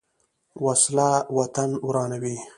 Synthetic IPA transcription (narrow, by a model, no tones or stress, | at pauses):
waslawat̪anwɾɑːnawi